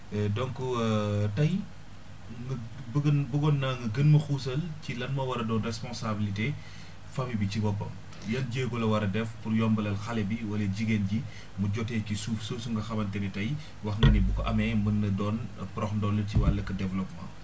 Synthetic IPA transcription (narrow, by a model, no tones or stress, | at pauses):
ɛdɔŋkutɐj | ŋ | bɡɐnbuɡɔnːaŋɡəɡənmɐxuːsɐlcilɐnmɐwɐɾɐdɔːnrɛspɔnsabilite | fɐmibicibɔpːɐ̰m | jɐnɟeːɡɔlɐwɐɾɐdɛfpuɾjɔmbɐlɐlxɐlɛbiwɐlɐɟiɡenɟi | muɟɔtɛːcisuːfsəːsuŋɡɐxɐmɐntɛɾitɐj | wɐxŋɡɐnibukɔʔɐmɛmɐnːɐdɔːnpɾɔxndɔːnːəciwalːɐkɐdɛvlɔpmã̰